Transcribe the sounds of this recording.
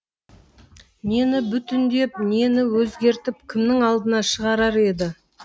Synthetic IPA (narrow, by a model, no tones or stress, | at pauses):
ne̞nɪbʏt̪ɪnd̪e̞p̚ne̞nɪwɵzɡʲe̞ɾt̪ɪp̚kʲʰɪmnɪŋɑlˠd̪ənɑʃəʁɑɾɑɾe̞d̪ɪ